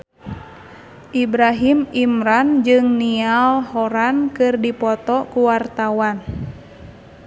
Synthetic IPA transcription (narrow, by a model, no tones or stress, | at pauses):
ʔibɾaɦimimɾand͡ʒɨŋnialhɔɾankɨrdipɔt̪ɔkuwart̪awan